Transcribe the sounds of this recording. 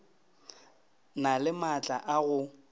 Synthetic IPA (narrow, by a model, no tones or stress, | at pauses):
nalɪmat͡ɬʼaʔaɣʊ